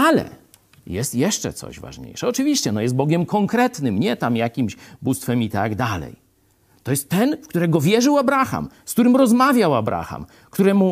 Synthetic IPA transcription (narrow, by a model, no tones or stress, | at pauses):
alɛ̰ | jɛst̪jɛʂt͡ʂɛ̰t̪sɔ̰ʑva̰ʐɲḛjʂɛɔt͡ʂɨvʲiɕt͡ɕɛnɔjɛst̪̚bɔɡʲjɛmkɔŋkɾɛt̪nɘmɲɛt̪amjakʲimɕbust̪fɛmit̪aɡd̪alɛ̰j | t̪ɔjɛst̪ːɛnfkt̪uɾɛɡɔvʲjɛʐɘwabɾaxa̰mskt̪uɾɘmɾɔzmavʲjawabɾʔa̰xa̰m | kt̪uɾɛmu